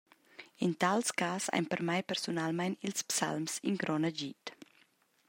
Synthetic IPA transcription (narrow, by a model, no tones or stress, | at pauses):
int̪alskaːsa̰jnpɛɾmajpɛrsunalmajnilspsa̰lmsinɡɾɔnad͡ʒit